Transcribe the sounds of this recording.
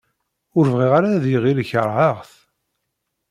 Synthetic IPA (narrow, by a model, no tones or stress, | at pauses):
ʊɾvʁiʁaɾaðjʁiɾçəɾʕəʁθ